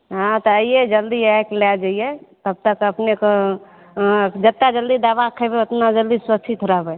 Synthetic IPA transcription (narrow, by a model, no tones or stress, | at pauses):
ɦãt̪ɔəied͡ʒəld̪iaklɛld͡ʒaijɛt̪əb̚t̪əkəpnekɔ | d͡ʒət̪ːad͡ʒəld̪id̪abakʰəbeot̪nad͡ʒəld̪iswət͡ʃʰit̪ʰɾəɦbɛ